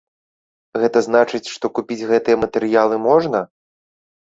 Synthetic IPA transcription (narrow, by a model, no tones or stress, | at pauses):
ɣɛt̪ɐznat͡ʂɨt͡sʲʂt̪ɔkupʲid͡zʲɣɛt̪ɨjɐmɐt̪ɛɾɨjalˠɨmɔʐnɐ